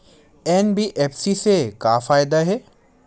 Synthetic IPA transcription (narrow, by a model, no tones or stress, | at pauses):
enbiʔeːfsisekaːfaːɪd̪aɦeː